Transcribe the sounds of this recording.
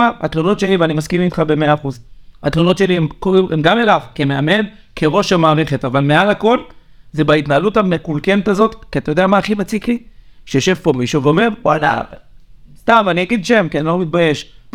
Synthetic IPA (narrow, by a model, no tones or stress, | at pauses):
aat̪luno̞t̪ʃe̞livanimaskimitχabe̞meaːχuzat̪luno̞t̪ʃeliemkoʁimemɡamelavkemeame̞d | kʰeʁo̞ʃamaːʁeχet̪avalmealako̞l | zebait̪naalutamekulkenet̪azo̞t̪kiat̪ajodeamaːχimat͡sikliʃejoʃe̞vpo̞miʃuveo̞me̞ʁwala̰ | st̪amaniaɡid̪ʃe̞mkenlomit̪̚baje̞ʃp